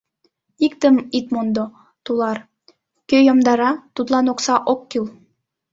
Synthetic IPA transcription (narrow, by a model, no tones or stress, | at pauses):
ikt̪ə̆mit̪mond̪o | t̪ulˠɑɾ | køjomd̪ɑɾɑt̪ut̪lˠɑnoksɑʔokːilˠ